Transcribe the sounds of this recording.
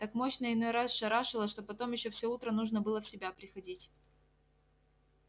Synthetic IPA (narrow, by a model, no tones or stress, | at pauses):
t̪akmo̞ɕnəɪno̞jɾasʂɐɾaʂɨlˠəʂt̪o̞pɐt̪o̞mjɪɕːofsʲɵut̪ɾənuʐnəbɨlˠəfsʲɪbʲapɾʲɪxɐdʲitʲ